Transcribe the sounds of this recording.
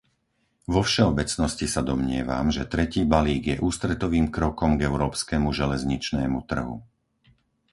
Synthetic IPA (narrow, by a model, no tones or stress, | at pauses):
ʋɔfʃɛɔbɛt͡snɔscisad̪ɔmɲɪɛʋa̰mʒɛt̪ɾɛciːbaliːɡjɛʔuːst̪ɾɛt̪ɔʋiːmkɾɔkɔmɡɛʊɾɔːpskɛmuʒɛlɛzɲit͡ʃnɛːmut̪r̩ɦṵ